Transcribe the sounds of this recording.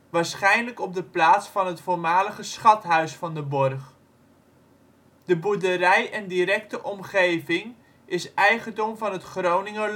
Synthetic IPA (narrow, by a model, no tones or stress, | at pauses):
ʋaːɹsχɛjnləkɔb̚dəplaːtsfɑnɦətfoːɹmaːləχəsχɑtɦœɥsfɑndəbɔrχ | dəbudəɾɛjɛndiɾɛk̚təʔɔmχejvɪŋ | ʔɪsɛjχəndɔmvɑnɦətχrownɪŋə